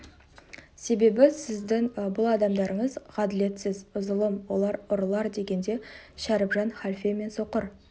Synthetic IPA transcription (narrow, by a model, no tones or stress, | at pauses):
se̞be̞bɪsɪzd̪ɪŋbʊlˠɑd̪ɑmd̪ɑɾəɴəzʁɑd̪ɪle̞t̪sɪzʊzəlˠəmwo̞lˠɑɾʊɾlˠɑɾd̪e̞ɡʲe̞nd̪e̞ | ʃæɾɪpʒɑnχalfeme̞nso̞qəɾ